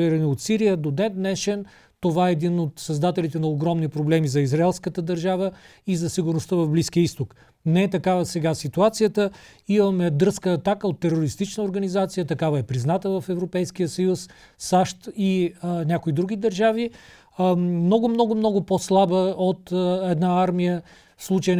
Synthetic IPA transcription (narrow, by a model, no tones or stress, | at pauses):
iɾɛniot̪siɾijəd̪od̪ɛd̪nɛʃɛn | t̪ovaɛːd̪inot̪sɐzd̪at̪ɛlit̪ɛnɐoɡɾɔmnipɾoblɛmizɐizɾaɛlˠskət̪əd̪ɐɾʒavə | izɐsiɡʊɾnost̪əvɐvbliskijəist̪ok | nɛɛt̪ɐkavəsɛɡasit̪uat̪sijət̪ə | imɐmɛɐd̪ɤɾskəːt̪akəot̪ːɛɾoɾist̪it͡ʃnəoɾɡɐnizat̪sijət̪ɐkavɐɛpɾiznat̪əvɐfɛvɾopɛjsk̟ijəsɐjus | saʃt̪inʲakoid̪ɾuɡ̟id̪ɐɾʒavi | mnɔɡʊmnɔɡʊmnɔɡʊposlˠabəot̪ɛd̪naaɾmijə | slˠut͡ʃəjn